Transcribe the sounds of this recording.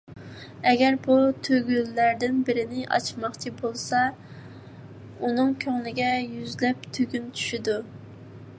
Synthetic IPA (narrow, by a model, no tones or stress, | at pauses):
ɛɡʲɛɾbut̪ʰøɡʲylːæɾd̪ɪnbɪɾɪnɪʔɑ̰t͡ʃmɑχt͡ʃʰibolˠsɑ | unɨŋkʲʰøŋlɪɡʲɛjyzlɛp̚t̪ʰøɡʲynt͡ʃʰy̥ʃid̪u